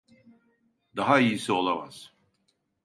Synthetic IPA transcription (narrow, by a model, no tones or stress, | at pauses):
d̪aɦaijisio̞lˠama̰z̥